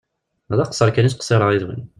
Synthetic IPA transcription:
ðˤɑqsˤːəɾˤkænisqsˤeɾˤəʁiðwə̰n

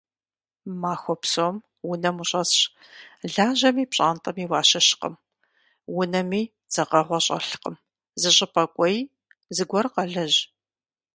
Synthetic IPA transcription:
maːxʷɔpsom | wʊnɐmuɕʼɐsɕ | ɮaːʑɐmiːpɕʼa̰ːntʼɐmiːwɑːɕɐɕqə̰m | wʊnɐmiː | d͡z̥ɐqɐʁʷɔɕʼɐ̰ɬqəm | zɨɕʼɪpʰʼɐkʷʼɔj | zɨɡʷɔrqɐɮɐʑ

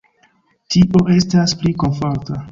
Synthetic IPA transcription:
tiʔo̞ʔe̞staspliko̞nfo̞ɾta

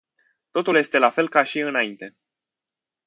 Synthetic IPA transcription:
t̪o̞t̪ulje̞st̪e̞lafe̞lkaʃiɨnaint̪e̞

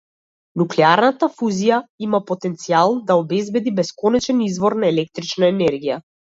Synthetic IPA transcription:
nuklɛaɾnat̪afuzijaimapɔt̪ɛnt̪sialˠd̪aɔbɛzbɛd̪ibɛskɔnɛt͡ʃɛnizvɔɾnaɛlɛk̚t̪ɾit͡ʃnaɛnɛɾɡija

